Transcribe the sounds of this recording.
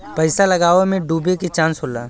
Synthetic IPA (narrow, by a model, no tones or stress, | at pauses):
pəɪsalɐɡaːʋemẽɖuːbeket͡ʃãːnsɦoːla̰ː